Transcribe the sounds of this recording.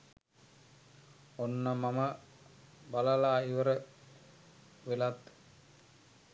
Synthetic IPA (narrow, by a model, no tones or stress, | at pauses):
onːamamə | balalaːiʋəɾə | ʋelat̪